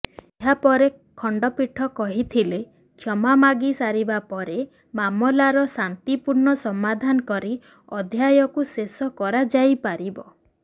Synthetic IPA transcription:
eɦapɔɾe | kʰɔɳɖɔpiʈʰɔkɔɦit̪ʰile | kʰjɔmamaɡisaɾibapɔɾe | mamɔlaɾɔsant̪ipuɾɳɔsɔmad̪ʱanɔkɔɾi | ɔd̪ʱjajɔkusesɔkɔɾad͡ʒajpaɾibɔ

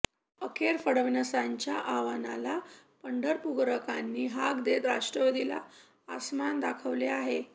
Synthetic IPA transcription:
əkʰeɾfəɽəʋinəsaɲt͡ɕjaʔaʋanala | pəɳɖəɾpuɡɾəkanːiːɦaɡd̪et̪ɾaʂʈɾəʋəd̪ila̰ | asmand̪akʰəʋleaɦe

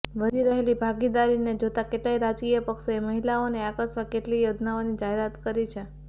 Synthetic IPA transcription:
ʋəɾiɾəɦelibʱaɡid̪aɾined͡ʒot̪akeʈlaiɾad͡ʒkijəpəkʃoeməɦilaoneakəsʋakeʈlijod̪ʱnaonid͡ʒaɦeɾat̪kəɾit͡ʃʰe

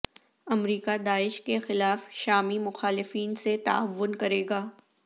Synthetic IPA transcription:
ɐmɾiːkad̪aːɪʃkexɪlaːfʃaːmimʊxaːlɪfiːnset̪ɐ̰əʋːʊnkɐɾeːɡaː

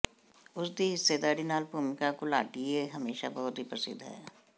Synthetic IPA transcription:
ʊsd̪iɦɪsːed̪aːɾinaːlbuːmɪkakola̰ːʈieɦɐmeːʃa̰bɐɦʊt̪ɦipɾəsɪ̰d̪ʱɦɛ̰ː

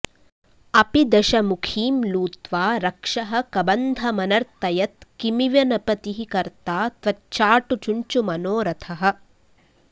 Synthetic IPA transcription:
ɐpid̪ɐʃɐmukʰiːmluːt̪ʋaːɾɐkʂɐɦɐ̆kɐbɐnd̪ʱɐmɐnɐɾt̪ːɐjɐt̪̚kimiʋjɐnɐpɐt̪iɦikɐɾt̪aːt̪ʋɐt͡ʃːaːʈut͡ʃuɲt͡ʃumɐnoːɾɐt̪ʰɐɦɐ̆

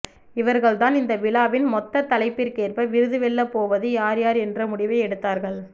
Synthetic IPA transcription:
ɪʋɐɾɣɐɭt̪aːnɪnd̪ɐʋɪlaːʋɪnmɔt̪ːɐt̪ːɐlɐɪpːɪɾkeːrpɐʋɪɾɯðɯʋɛɭːɐpoːʋɐðɯjaːɾjaːɾɛndrɐmʊɽɪʋɐɪɛɽɯt̪ːaːɾɣɐɭ

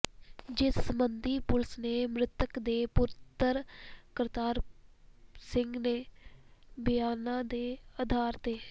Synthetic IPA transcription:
d͡ʒɪsːəmənd̪iːpʊlsneːmɾɪt̪əkd̪eːpʊɾt̪əɾkəɾt̪aːɾ | sɪ̃ŋɡneː | bɪjaːnãːd̪eːəd̪ʱaːɾd̪eː

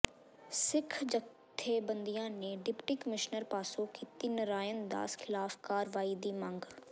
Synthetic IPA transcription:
sɪkʰd͡ʒə | t̪ʰːeːbənd̪ijãːneːɖɪpʈiːkəmɪʃnəɾpaːsõkiːt̪iːnɾaːjənd̪a̰ːskʰɪlaːfkaːɾʋaːiːd̪iːmə̃ŋɡ

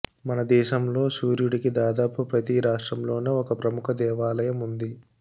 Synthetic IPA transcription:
mɐnɐd̪ɛːʃɐmlo̞ːsuːɾjuɽikid̪aːd̪aːpupɾɐt̪iɾaːʂʈɾɐmlo̞ːneɔkɐpɾɐmukʰɐd̪ɛːʋaːlɐjɐmund̪i

